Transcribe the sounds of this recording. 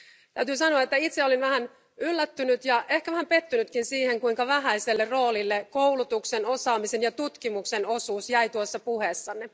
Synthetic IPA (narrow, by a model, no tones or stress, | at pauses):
t̪æyt̪yːsɑnoɑet̪ːæit̪seolinʋæhæn | ylːæt̪ːynyt̪jɑʔe̞hkæʋæhæmpe̞t̪ːynyt̪kinsiːhe̞ŋkuiŋkɑʋæɦæiselːerro̞ːlilːekowlut̪ukseno̞sɑːmisenjɑt̪ut̪kimukse̞no̞suːsjæjt̪uosːɑpuhesːɑnːe